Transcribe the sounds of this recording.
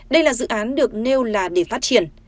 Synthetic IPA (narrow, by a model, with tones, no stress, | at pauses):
ɗə˧jlaː˨˩zɨ̰˧˨ʔaː˨˦nɗɨ˨˩ək̚ne˧wlaː˨˩ɗe˧˩faː˦˥t̚t͡ɕi˧˩ən